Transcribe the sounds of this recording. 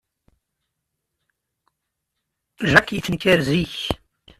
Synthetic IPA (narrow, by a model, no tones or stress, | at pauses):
ʒækjiθənkæɾziç